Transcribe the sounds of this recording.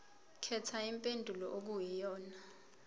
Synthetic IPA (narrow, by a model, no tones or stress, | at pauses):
kʰɛtʰaimpʼendʱulɔʔok̬ujijɔːna